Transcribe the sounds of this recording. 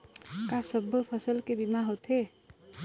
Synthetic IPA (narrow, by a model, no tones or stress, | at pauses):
kasəbʱəpʰəsəlkebimaɦot̪ʰɦe